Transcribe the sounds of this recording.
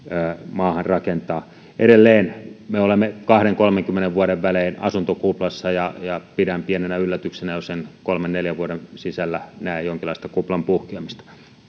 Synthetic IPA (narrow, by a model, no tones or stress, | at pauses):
æːmɑːhɑnrɑkent̪ɑː | ʔeɾelːeːnmeolemːekɑhɾeŋkolmeŋkymːeneʋʋuɑɾeʋʋæleːnɑ̰sunt̪okuplɑsːɑjɑjɑpidæmpienenæylːæt̪yksenæjosenkolmenneljæʋʋuoɾensisælːænæijjoŋkilːˑɑˑist̪ɑkuplɑmpuhkiɑmist̪ɑ̥